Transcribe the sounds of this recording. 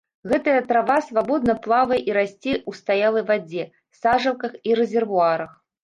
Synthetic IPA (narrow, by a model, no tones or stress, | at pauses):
ɣɛt̪ɐjɐt̪ɾavasvabɔd̪nɐplˠavɐjʔiɾasʲt͡sʲɛʔust̪ajalˠɐjvad͡zʲɛ | saʐɐwkɐxiɾɛzʲɛrvuaɾɐx